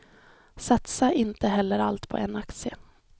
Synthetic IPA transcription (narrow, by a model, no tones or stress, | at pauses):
sat̪saʔɪnt̪əɦɛlːəɾalt̪pʰɔ̰ʔɛnaksɪə